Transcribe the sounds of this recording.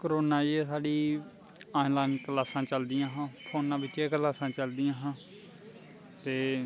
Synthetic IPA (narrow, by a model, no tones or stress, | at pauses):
kəɾoːnaːiesaːɖiː | aːĩlaːnkəlaːsãːt͡ʃəld̪ɪjãːɦãːpʰoːnãːbɪt͡ʃeːkəlaːsãːt͡ʃəld̪ɪjãːɦãː | t̪eː